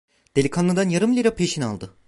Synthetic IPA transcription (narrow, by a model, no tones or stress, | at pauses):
d̪̥elʲikʰanˠɯd̪anjaɾɯmlʲiɾapʰeʃina̰lˠd̪ɯ